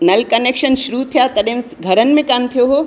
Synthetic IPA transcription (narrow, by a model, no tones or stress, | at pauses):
nɐlkɐnekʃɐnʃɾut̪ʰijat̪ɐɗẽm | ɡʱɐɾənmẽkaːnt̪ʰijoɦoː